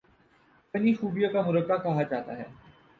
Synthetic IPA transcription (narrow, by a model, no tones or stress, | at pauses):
pɐnixuːbijakamʊɾəkːakɐɦat͡ʃaːt̪a̰ɦɛ̰ː